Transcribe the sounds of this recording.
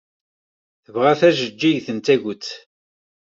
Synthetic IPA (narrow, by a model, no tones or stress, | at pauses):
θəvʁæθæʒəd͡ʒːiʝθənt̪æʝʊt͡sː